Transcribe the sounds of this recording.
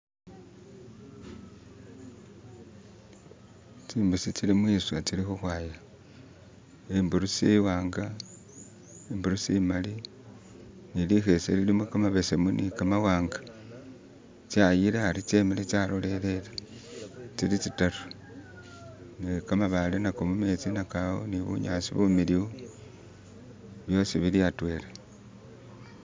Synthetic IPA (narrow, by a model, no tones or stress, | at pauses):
t͡ʃiːmbusit͡silimwiːswat͡silixuxwaːja | embuɾusiwaːŋɡa | embuɾusimali | nilixe̞sḛlilimukamaβesemunʔikamawaːŋɡḁ | t͡ʃajilehaɾit͡ʃemelet͡ʃalole̞lele | t͡silit͡sitaru̥ | nikamaβalenakomume̞t͡sinakawo̰niβṵɲaːsiβumiliwu | βjo̞siβiliatwe̞ːle